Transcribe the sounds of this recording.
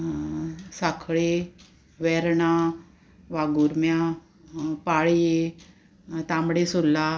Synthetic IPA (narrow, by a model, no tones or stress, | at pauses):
sakʰɭe | ʋɛɾɳa | ʋaɡuɾmjã | paɭje | t̪ãmɽesolːa